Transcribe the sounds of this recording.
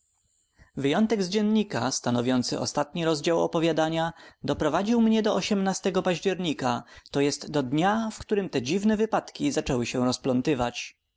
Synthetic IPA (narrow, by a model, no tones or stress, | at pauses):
vɘjɔnt̪ɛɡzd͡ʑɛnɲikast̪anɔvʲjɔnt̪sɘʔɔ̰st̪at̪ɲiɾɔzd͡ʑawɔ̰pɔvʲjad̪aɲad̪ɔpɾɔvad͡ʑiwmɲɛd̪ɔɔɕɛmnast̪ɛɡɔpaʑd͡ʑɛɾɲikat̪ɔjɛst̪ːɔd̪ɲafkt̪uɾɘmt̪ɛd͡ʑivnɛvɘpat̪kʲizat͡ʂɛwɘɕɛ̃ɾɔsplɔnt̪ɘvat͡ɕ